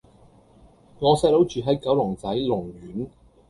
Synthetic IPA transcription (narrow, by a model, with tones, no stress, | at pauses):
ŋɔː˨˧sɐː˧j̚lo˨˥wt͡ʃyː˨ɦɐ˨˥jkɐ˨˥wlʊ˨˩ŋt͡sɐ˨˥jlʊ˨˩ŋɥyː˨˥n